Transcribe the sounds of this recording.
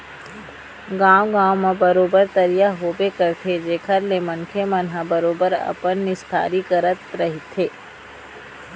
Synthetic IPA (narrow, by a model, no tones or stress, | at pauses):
ɡaːwɡãːwmãbɐɾoːbəɾt̪ɐɾijaɦoːbekəɾt̪ʰed͡ʒeːkʰəɾlemɐnkʰemɐnɦabəɾoːbəɾɐ̰pənːɪst̪ʰa̰ːɾikəɾət̪̚ɾɐɦɪt̪ʰːeː